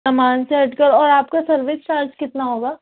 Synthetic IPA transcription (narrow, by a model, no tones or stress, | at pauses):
amaːnseɦɐʈkəɾɔːɾaːp̚kasɐɾʋett͡ʃaːɾd͡ʒkɪt̪naɦoːɡaː